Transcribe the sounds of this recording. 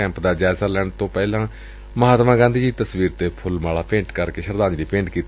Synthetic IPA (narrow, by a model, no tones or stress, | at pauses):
ɛ̃ːmpd̪aːd͡ʒaːɪzaːlɛːɳt̪õːpɛːlãː | məɦaːt̪mãːɡãːnd̪iːd͡ʒiːt̪əsʋiːɾt̪eːpʰʊlmaːlaːpẽːɳʈkəɾkeːʃəɾd̪ãːnd͡ʒɾiːpẽːɳʈkiːt̪ː